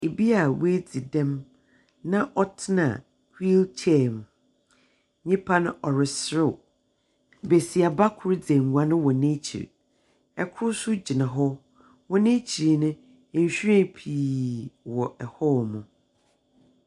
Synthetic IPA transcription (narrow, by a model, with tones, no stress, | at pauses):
e˨bi˦a˨we˦d͡zi˨dɛ̃˦m | nã˦ʔɔ˦tʰɪ˦nã̰˨ | ki˦lt͡ɕʰɛ˦˨m˨ | ɲɪ̃˦pʰa˦nʊ̃˦ʔɔ˨ɾɪ˨sɾʊ˦˨ | be˨si˨a˨ba˦kʰʊ˨˦ɾd͡zɛ̃˨mwa˨˦nʊ̃˦wɔ˨nẽ˦t͡ɕʰḭ˨ɾ | ɛ˨kʰʊ˦ɾsʊ˦d͡ʑi˨nã˨ɦɔ˦ | wɔ˦nẽ˦t͡ɕʰi˨ɾnʊ̃˦˨ | ɲ̩˨ɕᶣɛ̃˦pʰi˨wɔ˨ʔɛ˨hɔ˦mʊ̃˨